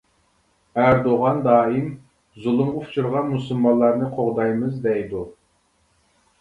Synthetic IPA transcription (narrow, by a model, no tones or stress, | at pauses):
æɾd̪oʁɑnd̪ɑːim | zulˠumʁʊfʰt͡ʃʰuɾʁɑnmusulˠmɑlˠːɑɾnɨqʰoʁd̪ɑjmɨzd̪ɛjd̪u